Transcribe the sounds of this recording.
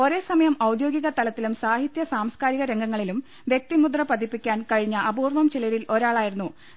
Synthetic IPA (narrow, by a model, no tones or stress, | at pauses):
o̞ɾe̞ːsɐmɐjɐmɐwd̪jo̞ːɡiɣɐt̪ɐlɐt̪ːilumsaːɦit̪jɐsaːmskaːɾiɣɐɾe̞ŋɡɐŋːɐɭilum | ʋje̞k̚t̪imud̪rɐpɐd̪ipːikʲːaːnkɐɻiɲːɐʔɐbuːrʋɐmt͡ɕilɐɾilʔo̞ɾaːɭaːjiɾunːu